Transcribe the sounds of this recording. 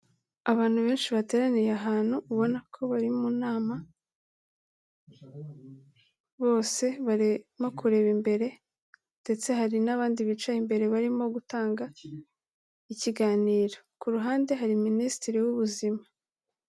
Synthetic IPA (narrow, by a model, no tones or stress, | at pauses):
aβaːn̥huβe̞ːnʃiβate̞ɾanijaɦaːn̥huːβo̞nakʰo̞βaɾimunaːma | βo̞ːse̞βaɾemo̞kʰuɾe̞ːβimbe̞ɾe̞ | nde̞t͡se̞ɦaɾinaβaːndiβit͡ʃaimbe̞ɾe̞βaɾimo̞ɡutaːŋɡa | iciɡaːniːɾo̞kuɾuɦaːnde̞ɦaɾiministiɾiwuβuzima